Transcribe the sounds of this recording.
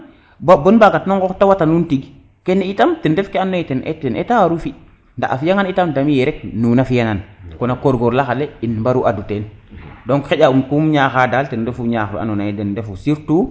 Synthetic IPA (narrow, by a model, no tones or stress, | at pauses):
babonbaɡatnoŋɡoktawatanuntiɡ | keneitamtindefkeanːaitenʔḛtenʔḛtawaɾufi | nda̰ʔa̰fijaŋanitamdamijeɾek̚nunafijaŋankonakoɾɡoɾlaxaleinbaɾuʔaduten | doŋxeɟaumkumɲaxadaltendefuɲaxa̰nonajidendefusiɾtu